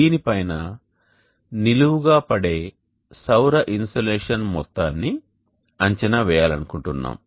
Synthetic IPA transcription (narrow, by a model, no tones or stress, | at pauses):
iːnipɐjnɐ | niluwuɡaːpɐɽe̞ː | sɐwɾɐʔinsoleːʂɐnmɔt̪ːaːnːi | ɐɲt͡ʃɐnɐʋɛːjaːlɐnukuɳʈunːa̰ːm